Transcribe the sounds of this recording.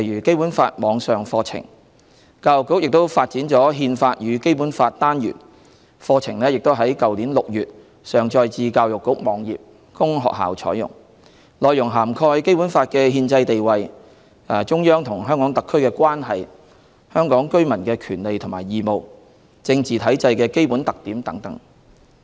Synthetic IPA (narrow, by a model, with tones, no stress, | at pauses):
jɥyː˨˩ke˥jpuː˨˥nfaː˧t̚mɔː˨˧ŋsœː˨ŋfɔː˧t͡sʰɪ̰˨˩ŋ | kaː˧wjʊ˨˩kːʊ˥k̚jɪ˨k̚t̪o˥wfaː˧t̚t͡siː˨˥nt͡ʃɔː˨˥ɦiː˧nfaː˧t̚jyː˨˧ke˥jpuː˨˥nfaː˧t̚t̪aː˥njy̰ː˨˩n | fɔː˧t͡sʰɪ˨˩ŋlɛː˥jɪ˨k̚t̪o˥wɦɐ˨˥jkɐ˨wliː˨˥nlʊ˨k̚jyː˨t̚ | sœː˨˩ŋt͡ʃɔː˧jt͡siː˨˧kaː˧wjʊ˨kːʊ˨˥k̚mɔː˨˧ŋjḭː˨p̚ | kʊ˥ŋɦɔ̰ː˨k̚ha̰ː˨˩wt͡ʃʰɔ̰ː˨˥jʊ̰˨˩ŋ | lɔː˨jʊ˨˩ŋɦaː˨˩mkʰɔː˧jke˥jpu˨˥nfaː˧t̚kɛː˧ɦiː˧nt͡sɐ˧jt̪e˨jwɐ˨j | ɐː˨˩t͡ʃʊ˥ŋjœː˥ŋt̪ʰʊ˨˩ŋɦœː˥ŋkɔː˨˥ŋt̪ɐ˨kʰːɵ˥ɥkɛː˧kʷwaː˥nɦɐ˨j | hœː˥ŋkɔː˨˥ŋkɵ˥ɥmɐ˨˩nkɛː˧kʰyː˨˩nle˨jt̪ʰʊ˨˩ŋmaː˨˩jiː˨˩mo˨˩w | t͡sɪ˧ŋt͡siː˨t̪ʰɐ˨˥jt͡sɐ˧jkɛː˧ke˥jpu˨˥nt̪ɐ˨k̚t̪iː˨˥mt̪ɐ˨˥ŋt̪ɐ˨˥ŋ